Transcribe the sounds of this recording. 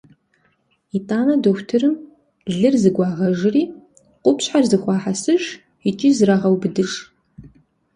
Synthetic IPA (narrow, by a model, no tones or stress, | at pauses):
itʼaːnɐdoxʷtʰɨrɨm | ɮɨrzɨɡʷɑːʁɐʒɨriː | qʷʼʊpʰɕħarzɨxʷɑːħasɨʒ | it͡ʃʼɪzraʁɐwbɨdɨʂ